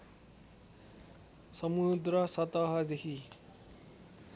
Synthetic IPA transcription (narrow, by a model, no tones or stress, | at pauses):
sʌmud̪rʌsʌt̪ʌɦʌd̪ekʰi